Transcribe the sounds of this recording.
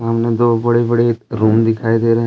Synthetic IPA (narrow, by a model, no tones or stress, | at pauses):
əmnẽd̪oːbɐɽebəɽeɾuːmd̪ɪkʰaːid̪eːɾɛɦ